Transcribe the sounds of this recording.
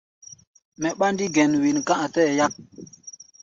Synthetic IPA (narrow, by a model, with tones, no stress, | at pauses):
mɛ˨ɓa˦ndi˦ɡɛ˨nwi˨nkã˦ʔa˨tɛ˦˨ja˦k̚